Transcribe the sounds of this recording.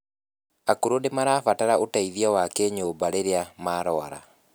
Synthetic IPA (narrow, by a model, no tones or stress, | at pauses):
akuɾondemaɾaːfataɾaʔotaiðiawakɛɲoːmbaɾeɾeamaːɾɔaɾa̰